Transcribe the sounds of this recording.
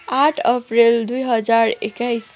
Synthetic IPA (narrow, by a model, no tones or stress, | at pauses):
aʈʰəpɾild̪ujɦəd͡ʒaɾekajs